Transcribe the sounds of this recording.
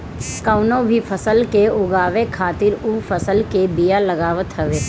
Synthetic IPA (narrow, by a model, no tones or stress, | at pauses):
kəʊnõbʱifʰəsəlkeʊɡaːʋekʰaːt̪ɪɾufʰəsəlkebijalɐɡaːʋət̪ɦəʋeː